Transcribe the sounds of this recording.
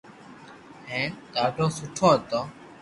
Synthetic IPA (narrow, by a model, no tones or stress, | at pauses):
ɦẽːt̪aːɖʱõːsʊʈʰõːɦət̪oː